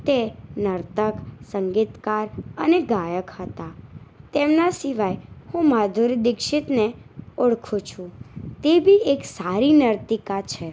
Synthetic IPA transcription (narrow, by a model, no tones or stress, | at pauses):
t̪enəɾt̪əksəŋɡit̪kaɾəneɡajəkhət̪at̪emnasiʋajhũmad̪ʱuɾid̪ɪkʃɪt̪neʊɽkʰũt͡ʃʰũt̪ebʱieksaɾinəɾt̪ikat͡ʃʰe